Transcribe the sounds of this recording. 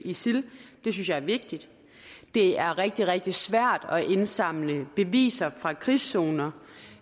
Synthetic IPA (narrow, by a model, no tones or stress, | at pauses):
isild̥e̝synsjɑæɐʋe̝ɡ̥̚d̥id̥ | d̥e̝æɐʁɛɡ̥̚d̥iʁɛɡ̥̚d̥i̥sʋæɐ̰d̥ɒ̽ʔe̝nsɑ̈m̰ləb̥e̝ʋḭːsɐfʁɑ̈kʰʁiso̝ːnɐ